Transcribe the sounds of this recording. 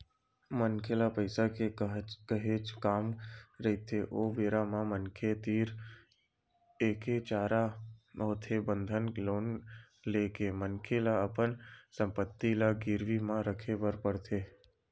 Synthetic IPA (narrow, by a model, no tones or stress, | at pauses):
mənkʰelapəɪsakekəɦeːt͡ʃkaːmɾəit̪ʰeʔoːʋeːɾamãmənkʰet̪iːɾ | eːket͡ʃaːɾaɦoːt̪ʰebə̃nd̪ʱənloːn | leːkemənkʰelaəpənsə̃mpət̪ːilaɡɪɾʋimãɾəkʰebəɾpəɽt̪ʰeː